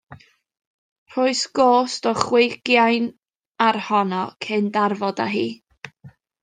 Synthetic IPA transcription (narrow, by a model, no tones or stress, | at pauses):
r̥ʊɨsɡ̥oːstɔχwɪjɡjajn | arhɔnɔkʰɪndarvɔda̰ɦḭː